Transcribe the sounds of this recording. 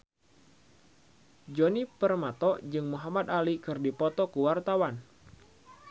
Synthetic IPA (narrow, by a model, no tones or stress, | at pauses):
d͡ʒɔnipərmat̪ɔd͡ʒɨŋmuɦamad̪alikɨrdipɔt̪ɔkuwart̪awan